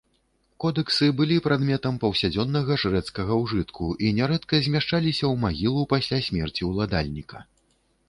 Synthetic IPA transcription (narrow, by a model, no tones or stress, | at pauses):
kɔd̪ɛksɨbɨlʲipɾad̪mʲɛt̪ɐmpɐwsʲad͡zʲɔnːɐɣɐʂɾɛt̪skɐɣɐwʐɨt̪kʰuʔinʲɛɾɛt̪kɐzʲmʲaʂt͡ʂalʲisʲɐwmaɣʲilˠupasʲlʲasʲmʲɛrt͡sʲiwlˠad̪alʲnʲikɐ̥